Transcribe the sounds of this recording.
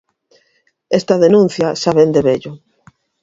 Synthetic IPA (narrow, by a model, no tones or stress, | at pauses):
est̪ɐðenũn̟θjɐsaβend̪eβeʎʊ